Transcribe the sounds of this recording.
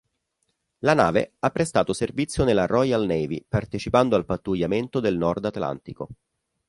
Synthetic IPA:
lana̰ːvḛapːɾest̪aːt̪oservit̪sːjonelːarɔjalnɛjvipart̪et͡ʃipand̪oalpat̪ːujːament̪od̪elnɔrd̪at̪la̰nt̪iko̰

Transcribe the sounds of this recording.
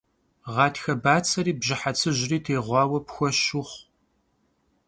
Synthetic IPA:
ʁɑːtʰxɐbaːt͡sʰɐɾiːbʑɪħat͡sʰɨʑriːtʰeːʁʷɑːwɐpxʷɔʃʊχʷ

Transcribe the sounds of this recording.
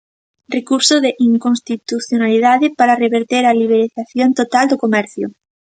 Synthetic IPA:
rekuɾsoðeʔiŋkonst̪it̪uθjonalið̞aðepaɾareβeɾt̪eɾaliβ̞eɾiθaθjont̪ot̪ald̪okomɛɾθjo̰

